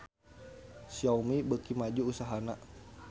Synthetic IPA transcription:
siawmibəkimad͡ʒuːsaɦana

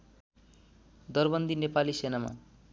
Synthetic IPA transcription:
d̪ʌrbʌnd̪ʱinepalisenama̰

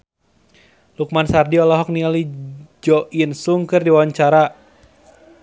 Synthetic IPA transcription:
luk̚mansardiɔlɔɦɔk̚nialid͡ʒɔʔinsuŋkɨrdiwawaɲt͡ʃaɾa

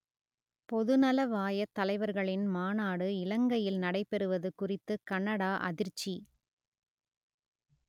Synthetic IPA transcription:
pɔðɯnɐlɐʋaːjɐt̪ːɐlɐɪʋɐɾɣɐɭɪnmaːnaːɽɯɪlɐŋɡɐjɪlnɐɽɐɪpːɛɾɯʋɐðɯkʊrɪt̪ːɯkɐnːɐɽaːʔɐ̰ðɪɾt͡ʃːi

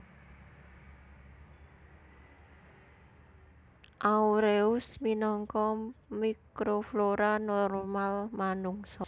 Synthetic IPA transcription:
ʔauɾeʊsminɔŋkɔmikɾofloɾanɔrmalmanuŋsɔ

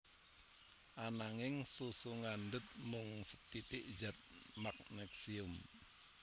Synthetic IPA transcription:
ʔanaŋɪŋsusuŋandət̪̚mʊŋsət̪it̪ɪʔd͡ʒat̪̚mak̚nɛksiʊm

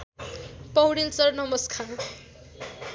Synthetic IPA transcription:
pʌwɽilt͡sʌrnʌmʌskʰa

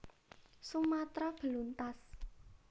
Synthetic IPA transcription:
sumat̪ɾɔb̥ə̤lunt̪as

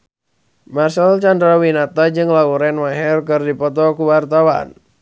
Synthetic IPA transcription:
masalt͡ʃandɾawinat̪ad͡ʒɨŋlauɾɛnmaɦɛrkɨrdipɔt̪ɔkuwart̪awa̰n

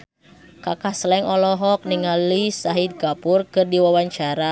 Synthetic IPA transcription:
kakahsəlɛŋɔlɔɦɔk̚niŋalisaɦid̪̚ɡapʊrkɨrdiwawaɲt͡ʃaɾa

